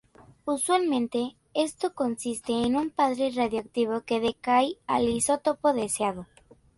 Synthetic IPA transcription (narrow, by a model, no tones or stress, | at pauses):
uswalmẽ̞nt̪e̞ | e̞st̪o̞ko̞nsist̪e̞ːnumpaðɾe̞raðjoak̚t̪iβ̞oke̞ðekajaliso̞t̪opo̞ðesjaðo